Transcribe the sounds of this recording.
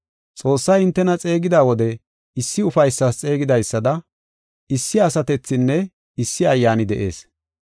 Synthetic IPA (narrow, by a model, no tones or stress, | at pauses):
t͡sʼo̞ːsːɐjɪnt̪ːɛnɐt͡sʼe̞ːɡɪd̪aːwɔd̪ɛ | ɪsːɪʊfɐjsːast͡sʼe̞ːɡɪd̪ɐjsːɐd̪ɐ | ɪsːɪɐsɐt̪ɛt͡sːɪnːɛ | ɪsːɪɐjːaːnɪd̪ɛʔe̞̰ːs